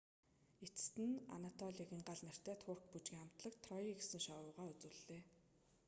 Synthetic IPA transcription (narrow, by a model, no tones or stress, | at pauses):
et͡s̆st̪ɘ̆na̰nat̪ʰɔɮiɣĭŋɢaɮnæ̆r̥t̪æːt̪ʰʊr̥k̚put͡ɕɡʲiːŋam̥t̪ɮə̆kt̪ʰrɔiɡesɘ̆ŋʃawʊːʁaːɵt͡sŭɮeː